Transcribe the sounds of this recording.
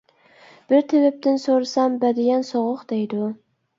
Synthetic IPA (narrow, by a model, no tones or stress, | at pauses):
b̥ɪɾt̪ʰɪbɪp̚t̪ɪnsoɾsambad̪ɪɡʲansoʁʊqd̪ejd̪ɪʊ